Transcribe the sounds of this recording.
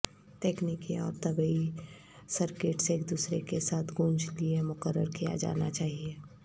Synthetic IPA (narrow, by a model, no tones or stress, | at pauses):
ʈeːkniːkiɔ̰ːɾt̪əbəi | səɾkeːʈseːkd̪uːsɾekesaːt̪ʰɡũːnd͡ʒliemʊkəɾːəɾkija̰d͡ʒa̰ːnat͡ʃaːɦie